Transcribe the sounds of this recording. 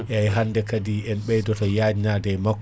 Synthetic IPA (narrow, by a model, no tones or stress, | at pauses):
ʔɛajɦanːdɛkadiːɛnɓɛjdɔtɔjaːd͡ʒnadɛjmakː